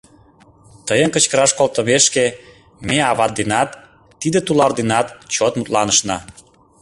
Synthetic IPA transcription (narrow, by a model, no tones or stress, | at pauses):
t̪əjənkə̆t͡ɕkəɾɑʃkolt̪əmeʃke | meɑβɑt̪̚d̪enɑt̪ː | id̪et̪ulɑrd̪enɑt̪t͡ɕot̪mut̪lɑnəʃnɑ